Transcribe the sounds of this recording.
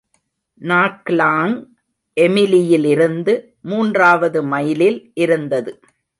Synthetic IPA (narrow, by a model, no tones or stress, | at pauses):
naːklaːŋ | ʔɛmɪlɪjɪlɪɾɯnd̪ɯ | muːndraːʋɐðɯmɐjɪlɪlʔɪɾɯnd̪ɐðɯ